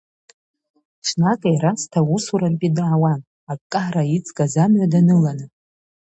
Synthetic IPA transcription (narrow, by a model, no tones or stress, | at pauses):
ʂʰnakʼajɾastʰausuɾarpʼidaːwan | akʼːaħrait͡sʼkʼazamʕʷadanɨlanɨ